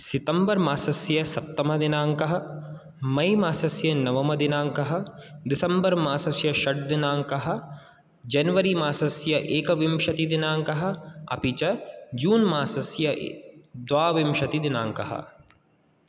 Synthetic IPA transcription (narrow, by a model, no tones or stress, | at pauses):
sɪt̪ɐmbɐɾmaːsɐsjɐsɐp̚t̪ɐmɐd̪inaːŋkɐɦɐ̆ | mɐjmaːsɐsjɐnɐʋɐmɐd̪ɪnaːŋkɐɦɐ̆d̪ɪsɐmbɐɾmaːsɐsjɐʃɐʈ̚d̪ɪnaːŋkɐɦɐ̆ | d͡ʒɐnʋɐɾimaːsɐsjɐʔeːkʋɪmʃɐt̪id̪inaːŋkɐɦɐ̆ɐ̰pit͡ʃɐd͡ʒuːnmaːsɐsjɐʔd̪ʋaːʋɪmʃɐt̪id̪inaːŋkɐ̰ɦɐ̰